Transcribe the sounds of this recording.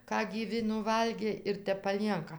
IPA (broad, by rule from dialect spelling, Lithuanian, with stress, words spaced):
ˈkɑː ɡʲiːˈʋʲɪ nʊˈʋɐlʲɡʲeː ɪr ˈtʲɛp pɐˈlʲiɛŋkɐ